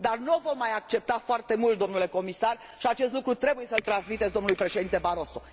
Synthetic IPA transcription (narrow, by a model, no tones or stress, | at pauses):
d̪arnovo̞mːajak̚t͡ʃe̞p̚t̪afoart̪e̞mult̪̚d̪o̞mnule̞ko̞misar | ʃiat͡ʃe̞st̪lukɾut̪ɾe̞buje̞səlt̪ɾansmit̪esʲd̪o̞mnulujpɾe̞ʃed̪int̪e̞baɾo̞so̞